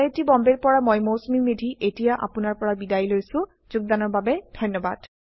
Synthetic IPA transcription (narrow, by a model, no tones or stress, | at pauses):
etibɔmbeɹpɔɹamojmowsmiŋmidʱiʔetijaʔa̰pʊnaɹpɔɹabidajlojsʊ̃ | zʊɡ̚danɔɹbabɛd̥ʱɔjnːɔba̰d̥